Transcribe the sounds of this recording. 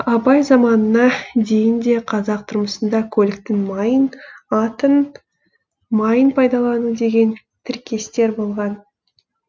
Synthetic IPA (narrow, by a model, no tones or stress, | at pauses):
ɑbɑjzɑmɑnənɑd̪e̞jɪnd̪e̞qʰɑzɑq̚t̪ʰʊɾməsənd̪ɑkʲʰɵlɪk̚t̪ɪŋmɑjənɑt̪ən | mɑjənpʰɑjd̪ɑlˠɑnud̪e̞ɡʲe̞n | t̪ʰɪɾkʲʰe̞st̪e̞ɾbo̞lˠʁɑn